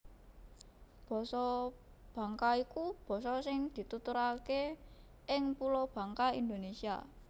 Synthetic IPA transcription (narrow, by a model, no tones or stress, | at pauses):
b̥ɔ̤sɔb̥ä̤ŋkaikub̥ɔ̤sɔsɪŋd̪̥i̤t̪ut̪uɾake | ʔɪŋpulob̥ä̤ŋkaḭnd̪onesia̰